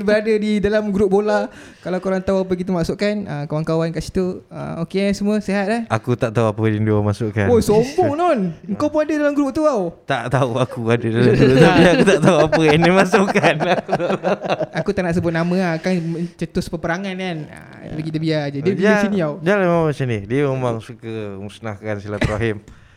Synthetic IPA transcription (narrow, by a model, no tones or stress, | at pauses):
bəɾadadidalamɡɾʊp̚bola | kalawkoɾaŋt̪auap̬ək̬it̪̬əmaʔsʊʔkanəkawankawankaʔsi̥t̪uə̰mokeansəmũəseɦat̪̚lahʔakut̪aʔt̪auapədinduamasuʔka̰nojsombɔŋnɔnəŋkawpunadədalamɡɾʊp̚t̪uawt̪aʔt̪auakuadədalamɡɾʔ̪aiakut̪aʔt̪auapəinimasuʔkanaku | akut̪aʔnaʔs̬əbʊt̪̚namə̃akaŋmət͡ʃət̪ʊspəpəɾaŋankanə̰ | baɡit̪əbiad͡ʒadiəbiasinĩawdalamamat͡ʃanidiəmemaŋsukəmusnahkansilat̪ɾaɦɪm